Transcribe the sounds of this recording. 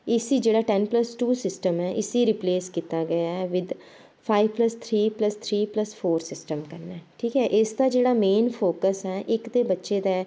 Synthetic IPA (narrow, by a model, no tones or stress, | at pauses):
ɪsiːd͡ʒeːɽaːʈɛnpləsʈuːsɪsʈəmɦɛːʔɪsiːɾɪpleːskit̪aːɡəjaːɛːʋɪd̪ | pʰaːiʋpləst̪ʰɾiːpləst̪ʰɾiːpləspʰoːɾsɪsʈəmkəɾnɛːʈʰiːkɦɛːʔɪsd̪aːd͡ʒeːɽaːmeːnpʰoːkəsɦɛːʔɪkd̪eːbətːʃeːd̪ɛː